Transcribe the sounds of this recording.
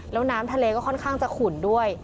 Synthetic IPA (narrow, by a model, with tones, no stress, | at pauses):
lɛː˦˥wnaː˦˥mt̪ʰa˧leː˧kɔː˥˩kʰɔ˥˩nkʰaː˥˩ŋt͡ɕa˨˩kʰu˨˩ndu˥˩əj